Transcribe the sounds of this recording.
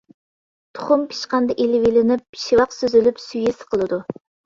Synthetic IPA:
t̪ʰʊ̥χʊmpʰi̥ʃqɑnd̪ɑʔelɪwilɪnɪp̚ʃiwɑqsøzylypsyjesɨ̥qʰəlˠɨd̪u

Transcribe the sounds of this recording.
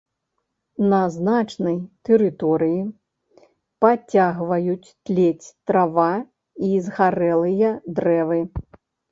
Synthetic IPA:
nɐznat͡ʂnɐjt̪ɛɾɨt̪ɔɾɨji | pat͡sʲaɣvɐjut͡sʲt̪lʲet͡sʲt̪ɾava | izɣaɾɛlˠɨjɐd̪ɾɛvɨ

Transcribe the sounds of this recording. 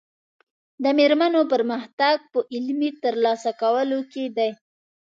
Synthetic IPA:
d̪əmeɾmənopəɾməxt̪aɡ̚pəʔɪlmit̪əɾlɑsakawəloked̪aj

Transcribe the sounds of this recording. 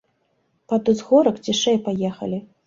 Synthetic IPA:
pad̪ɨzɣɔɾɐkd͡zʲiʂɛjpajɛxɐ̰lʲi

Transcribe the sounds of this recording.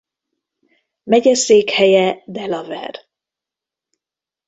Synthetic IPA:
mɛɟɛseːkhɛjɛd̪ɛlɒvɛ̰r

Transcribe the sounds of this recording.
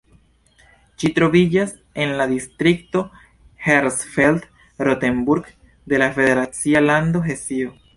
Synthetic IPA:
ʃit̪ɾo̞vid͡ʒas | e̞nlad̪istɾikto̞ | heɾsfeld | ɾote̞mbuɾɡ | d̪e̞lafe̞de̞ɾat͡sialand̪o̞ɦe̞sio

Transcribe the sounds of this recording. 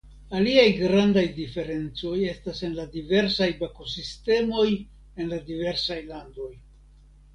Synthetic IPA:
aliajɡɾandajdife̞ɾe̞nt͡so̞je̞stase̞nladive̞ɾsajbako̞siste̞mo̞j | e̞nladive̞ɾsajlando̞j

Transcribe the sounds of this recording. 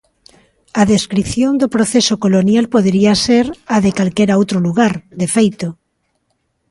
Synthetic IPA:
aðeskɾiθjõnd̪opɾoθesokolonjalpoðeɾiaseɾaðekalkeɾaowt̪ɾoluɣaɾd̪efejt̪o

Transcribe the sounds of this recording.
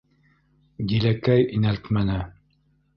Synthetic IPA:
d̪ilækæjinælt̪mænɘ

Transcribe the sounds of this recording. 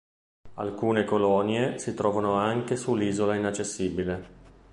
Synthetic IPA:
a̰lkuːnekolɔnjesit̪ɾɔːvanoaŋk̟esulːiːzolainat͡ʃːesːiːbile

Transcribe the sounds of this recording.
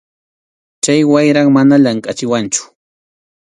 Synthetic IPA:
t͡ʃajwajɾaŋmanaʎaŋkʼat͡ʃɪwant͡ʃʊ̥

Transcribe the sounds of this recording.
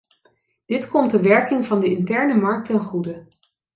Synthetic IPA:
d̥ɪtkɔmtəʋɛɹkɪŋvɑndəɪntɛɹnəmɑɹk̚tɛnχudə

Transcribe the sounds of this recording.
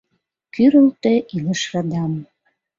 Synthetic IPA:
kyɾə̆lt̪ĕʔiləʃrɑd̪ɑm

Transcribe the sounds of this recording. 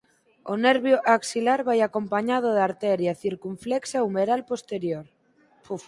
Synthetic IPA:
oneɾβjoʔaksilaɾβajakompaɲað̞oðaɾt̪ɛɾjaθiɾkuɱfleksaumeɾalpost̪eɾjoɾ

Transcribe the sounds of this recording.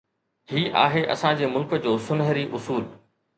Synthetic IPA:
hiːʔa̰ːɦeʔɐ̰sãd͡ʑeːmʊlkə̆d͡ʑoːsʊnɦəɾiʔʊsuːl

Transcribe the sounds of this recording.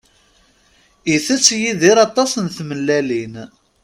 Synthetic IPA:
iθæt͡sːjiðiɾɑt̪ˤːɑsənθməlːælin

